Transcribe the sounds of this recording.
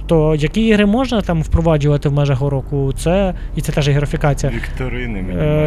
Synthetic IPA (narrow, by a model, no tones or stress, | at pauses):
t̪ɔjɐkʲiiɦɾɪmɔʒnɐt̪ɑmwpɾɔʋɑd͡ʒʊʋɐt̪ɪwmɛʒɐɦɔɾɔkʊt̪sɛ | it̪ɛt̪ɛʒɛɦɪɾɐfʲikɑt͡sʲijɐʋʲikt̪ɐɾɪn